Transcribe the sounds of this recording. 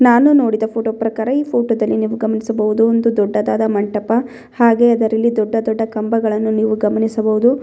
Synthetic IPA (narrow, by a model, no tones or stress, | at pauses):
naːnuno̞ːɽid̪ɐpʰoːʈoːpɾɐkaːɾɐiːpʰoːʈoːd̪ɐlːiniːʋuɡɐmɐnisɐbɐʋud̪uond̪ud̪ɔɖːɐd̪aːd̪ɐmɐɳʈɐpɐ | haːɡe̞ɐd̪ɐɾɐlːid̪ɔɖːɐd̪ɔɖːɐkɐmbɐɡɐɭɐnːuniːʋuɡɐmɐnisɐbɐʋud̪u